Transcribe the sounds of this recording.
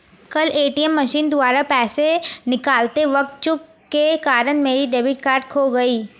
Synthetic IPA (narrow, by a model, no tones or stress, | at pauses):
kɐleːʈiɛmːɐʃiːnd̪ʊaːɾapɛːsenɪkaːlt̪eʋɐk̚t̪̚t͡ʃʊk | kːekaːɾənmeːɾiɖeːbɪʈ̚kaːɾɖkʰoɡɐiː